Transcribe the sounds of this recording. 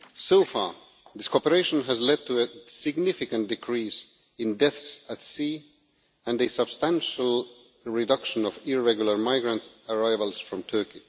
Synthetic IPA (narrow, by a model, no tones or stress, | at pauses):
soʊfɑɹ | ðɪskʰɔpəɹeɪʃə̃nəzlɛd̚tʰəəsɪɡnɪfɪkə̃nd̥ɨkʰɹ̥is | ɪ̃ndɛθsətsi | ɨ̃nɨsəb̥stæ̃nʃəlˠ | ɹɪdʌkʃə̃nʌvɪɹɛɡjul̩ˠə˞maɪɡɹə̃ntsəɹaɪvəlˠsfɹʌ̃mtʰɜ˞ki